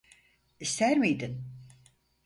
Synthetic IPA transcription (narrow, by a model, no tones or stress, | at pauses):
ist̪ʰæɾmijd̪in